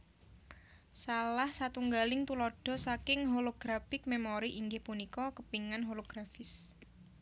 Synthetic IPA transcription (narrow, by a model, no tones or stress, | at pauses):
salahsat̪uŋɡalɪŋt̪ulɔɖ̥ɔ̤sakɪŋɦoloɡ̥ɾafɪk̚memoɾiʔiŋɡɪhpunikɔkəpiŋanɦoloɡ̥ɾafɪs